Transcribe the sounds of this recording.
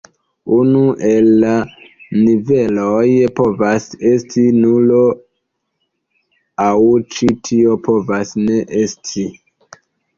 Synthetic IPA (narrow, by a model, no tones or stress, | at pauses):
unuʔelːanivelojpo̞vase̞stʰinulo | awt͡ʃitʰio̞po̞vasne̞ʔestʰi